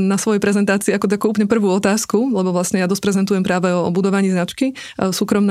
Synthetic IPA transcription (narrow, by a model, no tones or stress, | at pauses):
nasʋɔjɛpɾɛzɛnt̪aːt͡siːakɔt̪akuːuplɲɛpr̩ʋuːɔt̪aːskulɛbɔʋlasɲɛjad̪ɔspɾɛzɛnt̪ujɛmpɾaːʋɛɔɔbud̪ɔʋaɲiːznat͡ʃki | suːkɾɔmn